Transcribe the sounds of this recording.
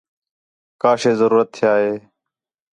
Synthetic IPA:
kaːʃeːzəɾuːɾət̪ʰːɪjaːɦeː

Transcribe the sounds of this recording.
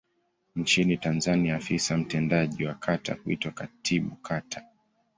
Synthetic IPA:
nt͡ʃinitanzaniafisam̩tɛndaʄiwakʰata̰huḭtwakatʰiɓukʰatʰḁ

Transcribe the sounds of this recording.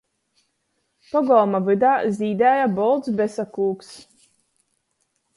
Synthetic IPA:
pɔɡɔlˠmavɨd̪aːzʲiːd̪ɛːjabɔlˠd̪sbɛsakuːks

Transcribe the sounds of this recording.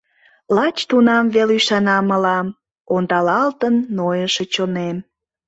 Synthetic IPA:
lɑt͡ɕt̪unɑmvelyʃɑnɑməlɑm | ond̪ɑlɑlt̪ənːojəʃet͡ɕonem

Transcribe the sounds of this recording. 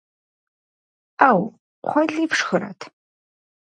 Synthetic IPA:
aːw | qʷɔɮiːpʂxɨɾɐ̰tʰ

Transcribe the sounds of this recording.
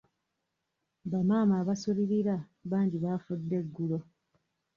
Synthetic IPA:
bamaːmaːβasuβiɾiɾa | βaːɲɟiβaːfudːe̞ɡːulo̞

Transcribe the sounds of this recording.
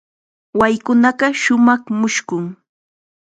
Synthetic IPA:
wajkʊnɑɢɑʃʊmɑχmʊʃkʊŋ

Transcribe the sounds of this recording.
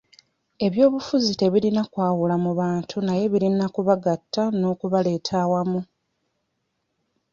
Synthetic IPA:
e̞βjo̞ːβufuzite̞βiɾinakwaːwulamuβaːntʰunaje̞βiɾinakuβaɡatːano̞ːkuβale̞ːtʰawamu

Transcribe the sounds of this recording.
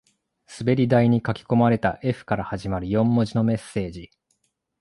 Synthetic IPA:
sɨbe̞ɾʲid̪aiɲ̟ikakʲi̥ko̞maɾe̞t̪aʔe̞ɸɯ̟̥kaɾahaʑimaɾɯ̟jõ̞mːo̞ʑino̞me̞sːe̞ːd͡ʑi

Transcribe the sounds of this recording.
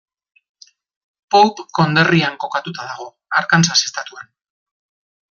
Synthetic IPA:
powpko̞nd̪e̞riaŋko̞kat̪ut̪aðaɣ̞o̞ | aɾkansasest̪at̪uan

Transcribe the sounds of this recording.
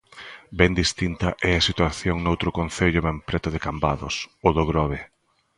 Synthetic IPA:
bɛnd̪ist̪int̪ɐʔɛasit̪waθjoŋnowt̪ɾʊkon̟θeʎʊβɛmpɾɛt̪ʊðɪkambaðʊsoðoɣɾɔβe

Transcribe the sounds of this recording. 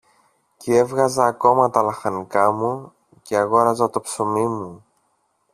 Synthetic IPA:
cee̞vɣɐzɐːko̞mɐt̪ɐlɐxɐnikɐmu | ceɐɣo̞ɾɐzɐt̪o̞pso̞mimu

